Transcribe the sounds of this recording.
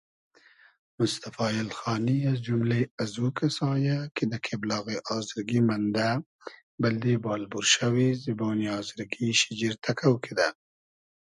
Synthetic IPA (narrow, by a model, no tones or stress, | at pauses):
mʊst̪afɑːjɪlxɑːniazd͡ʒumleazukʰasɑːjaked̪akʰeblɑːɣeʔɑːzɪɾɡimand̪a | bɪld̪ebɑːlbuɾʃawiziboːniɑːzɪɾɡiʃɪd͡ʒiɾt̪ʰakʰawkʰed̪a